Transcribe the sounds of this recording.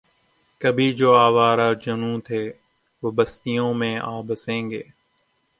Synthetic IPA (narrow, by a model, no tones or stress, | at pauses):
kəbʱiːd͡ʒoːaːʋaːɾaːd͡ʒənũːt̪ʰeː | ʋobəst̪ijõːmẽːaːbəsẽːŋɡeː